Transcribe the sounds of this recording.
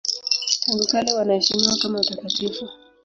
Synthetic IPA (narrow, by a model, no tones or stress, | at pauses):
suɾikaliwanahɛʃimiwakamautakatifu